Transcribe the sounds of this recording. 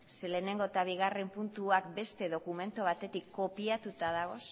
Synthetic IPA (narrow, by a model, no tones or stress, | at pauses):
sele̞ne̞ŋɡo̞t̪aβ̞iɣarempunt̪uak̚be̞st̪e̞ðo̞kume̞nt̪oβ̞at̪e̞t̪ikːo̞piat̪ut̪aðaɣ̞o̞s